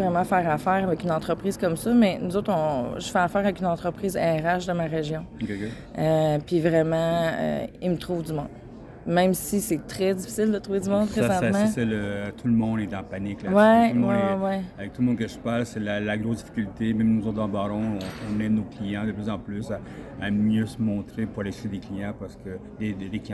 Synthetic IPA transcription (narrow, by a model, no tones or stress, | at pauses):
ʁɛmɑ̃fɛːʁafɛʁavɛkynɑ̃t̪χəpχiːz̥kɔmsʌmɛnuzoʊt̪ɔ̃ʒəfɛafɛːʁavɛkynɑ̃t̪χəpχiːzɛ̰ɛʁaʃd̪ɑ̃maʁeʒjɔ̃keke | øpivʁɛmɑ̃ø̰imət̪χuːvd̪ymɔ̃d̪ | mɛ̃msisɛt̪χɛd͡z̪ifi̥sɪld̪ət̪ʁuved̪ymɔ̃d̪̚pʁezɑ̃t̪mãsɛlət̪ʰuləmɔ̃d̪ɛd̪ɑ̃panɪklawɛ̃wɛwɛwɛavɛk̚t̪uləmɔ̃d̪̚kəʒəpalsɛlalaɡʁozd̪ifi̥kʲylt̪emɛ̃mnuzot̪̚d̪ɑ̃baɾɔ̃ɔ̃ɔ̃nɛnoklijɑ̃d̪əplyzɑ̃plysaː | mjøsəmɔ̃t̪χepuʁaleʃed̪eklijɑ̃paʁsə̥kə | d̪ed̪ekij̃